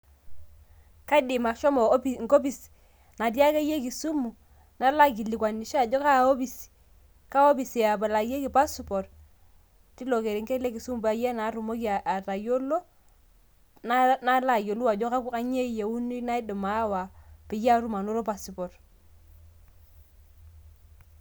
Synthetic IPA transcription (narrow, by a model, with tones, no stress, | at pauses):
ka˦dɪ˨ma˨ʃɔ˦mo˨˦˨ŋ˨ko˦bi˨s | na˨t̬ja˦ke˦je˦ki˨su˦mu˨ | na˦la˦ki˨li˨kwa˨ni˨ʃa˨d͡ʒɔ˦ka˦˨o˦bi˦˨s | ka˦o˦bi˨si˨a˨bɛ˨la˨˦je˦ki˨pa˦spɔ˨ɾ | ti˦lo˨ke˨ɾi˨ŋke˦le˦ki˨su˦mu˨ba˨je˦na˨˦ɾu˨mo˦ki˦a˨a˨ɾa˨jo˦lo˦ | na˦na˦la˦˨jo˨lu˦wa˨d͡ʒɔ˦ka˦ka˦ɲe˦˨je˨u˦ni˦na˦i˦do˨ma˨˦wa˨pɪ˨ja˦ɾu˦ma˨no˦ɾo˦pa˨su˨pɔ˨ɾ